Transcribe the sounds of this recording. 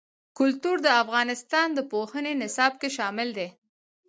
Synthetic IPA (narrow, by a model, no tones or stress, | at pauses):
kʊlt̪uɾd̪əafɣɑnɪst̪ɑnd̪əpohənenɪsɑb̚keʃɑmɪld̪e